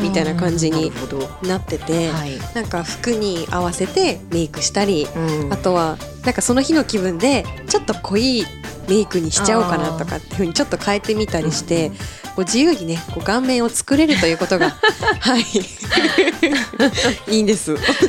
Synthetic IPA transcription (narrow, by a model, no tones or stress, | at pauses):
mʲit̪ainakãɲ̟d͡ʑiɲ̟inat̪ːe̞t̪e̞nãŋkaɸɯ̥kɯ̟ɲ̟iaβase̞t̪e̞me̞ikɯ̟ɕi̥t̪aɾʲiat̪o̞βa | nãŋkaso̞no̞çino̞kʲibɯ̟̃nd̪e̞t͡ɕo̞t̪ːo̞kʰo̞iːme̞ikɯ̟ɲ̟iɕi̥t͡ɕaokanat̪o̞ka̰t̪ːeɯ̟ɯ̟ɲ̟it͡ɕo̞t̪ːo̞kʰae̞t̪ːe̞mʲit̪aɾʲiɕi̥t̪e̞ | ko̞ːd͡ʑijɯːɲ̟ine̞ko̞ːɡãmːẽ̞ɰ̃o̞t͡sɨ̥kɯ̟ɾe̞ɾɯ̟t̪o̞jɯ̟ːko̞t̪o̞ɡahai | ĩːnd̪e̞sɨ